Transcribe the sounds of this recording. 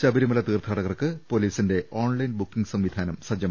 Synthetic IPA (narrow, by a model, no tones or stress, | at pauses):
t͡ɕɐbiɾimɐlɐt̪iːrt̪ʰaːɽɐɣɐrkɨpoliːsinde̞ʔʔoːɳlɐjnbukːiŋsɐmʋid̪ʱaːnɐmsɐd͡ʑjɐma